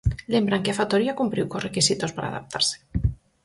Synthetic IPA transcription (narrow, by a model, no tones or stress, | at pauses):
lembɾaŋkeafat̪oɾiakumpɾiwkosrekisit̪ospaɾʔa̰ða̰p̚t̪ʰa̰ɾse̥